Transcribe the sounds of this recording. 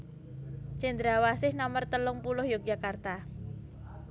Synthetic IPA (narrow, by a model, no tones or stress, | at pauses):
t͡ʃɛnd̪ɾawasɪhnɔmərt̪əlʊŋpulʊhjɔk̚d͡ʒakart̪a